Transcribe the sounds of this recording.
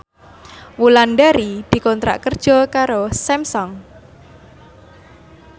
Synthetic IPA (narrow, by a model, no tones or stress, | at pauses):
wulanɖaɾid̪̥i̤kɔnt̪ɾa̰ʔkərd̥ʒ̥ɔ̤kaɾosɛmsɔŋ